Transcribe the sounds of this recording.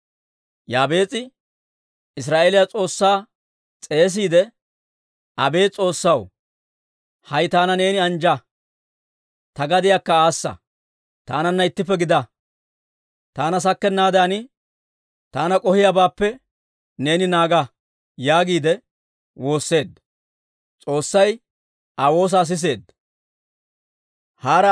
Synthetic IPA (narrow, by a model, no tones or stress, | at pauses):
jaːbe̞ːt͡sʼɪ | ɪs̬ɾaːʔe̞ːlɪjat͡sʼo̞ːsːaː | t͡sʼe̞ːs̬iːd̪ɛ | ʔɐbe̞ːt͡sʼo̞ːsːɐw | hɐjt̪aːnɐne̞ːnɪɐnd͡ʒɐ | t̪ɐɡɐd̪ɪjakːɐaːsːɐ̰ | t̪aːnɐnːɐɪt̪ːɪpːɛɡɪd̪ɐ | t̪aːnɐs̬ɐkːɛnːaːd̪janɪ | t̪aːnɐkʼɔhɪjabaːpːɛ | ne̞ːnɪnaːɡɐ | jaːɡiːd̪ɛ | wo̞ːsːe̞ːd̪ːɐ | t͡sʼo̞ːsːɐj | ʔawo̞ːs̬aːs̬ɪs̬e̞ːd̪ | haːɾɐ